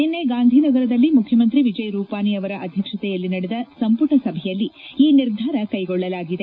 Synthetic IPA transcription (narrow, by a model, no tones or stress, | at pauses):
ninːeɡaːnd̪ʱinɐɡɐɾɐd̪ɐlːimukʰjɐmɐnt̪ɾiʋid͡ʒɐjɾuːpaːniɐʋɐɾɐʔɐd̪ʱjɐkʂɐt̪ɛjɐlːinɐɽɛd̪ɐsɐmpuʈɐsɐbʱɛjɐlːiiːniɾd̪ʱaːɾɐkɐjɡɔɭːɐlaːɡid̪e̞